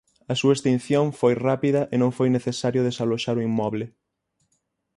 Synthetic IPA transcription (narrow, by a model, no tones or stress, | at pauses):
ɐsuɐest̪ĩn̟θjoŋfojrapiðɐʔenõŋfojneθesaɾjʊðesaloʃaɾoimmɔβlɪ